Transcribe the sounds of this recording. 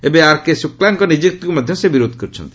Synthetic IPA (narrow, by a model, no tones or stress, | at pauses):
ebeaɾkesuklaŋkɔnid͡ʑik̚t̪ikumad̪ʱjomesebiɾod̪ʱkoɾt͡ɕʰo̰nt̪i̥